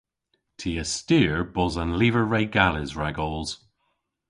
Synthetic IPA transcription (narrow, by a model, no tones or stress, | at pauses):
tʰiəstiɹb̥ɔzãnlivə˞ɹeɪɡalɪzɹaɡɔlˠz̥